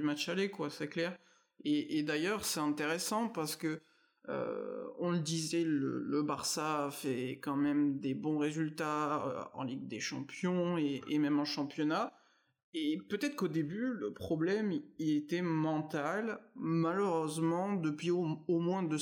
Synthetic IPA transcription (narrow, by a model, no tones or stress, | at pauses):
ymat͡ʃalekwasɛklɛʁ | eʔːd̪ajœʁsɛt̪ɛ̃t̪eʁesɑ̃paʁsə̥kə | ø̰ɔ̃ləd̪izɛlə̰ləbaʁsafɛkɑ̃mɛmd̪ebɔ̃ʁezylt̪aø̰ɑ̰̃liɡ̚d̪eʃɑ̰̃pjɔ̃eemɛmɑ̃ʃɑ̃pjɔna | epøt̪ɛt̪χəkod̪ebyləpχɔblɛmilet̪ɛmɑ̃t̪almaløʁøzmɑ̃d̪əpɥioomwɛ̃d̪ə